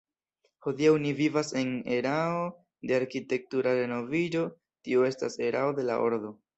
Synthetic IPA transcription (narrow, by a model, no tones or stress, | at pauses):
ho̞diawnivivase̞ne̞ɾao | de̞aɾkite̞k̚tuɾaɾe̞no̞vid͡ʒo̞ | tioe̞sta̰se̞ɾao̞de̞la̰ʔo̞̰ɾdo̞